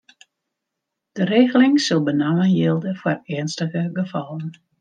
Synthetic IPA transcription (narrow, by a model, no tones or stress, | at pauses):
d̥əreːɣəlɪŋsolˠbənawənjelˠdəfarɛənstəɣəɡəfɔlən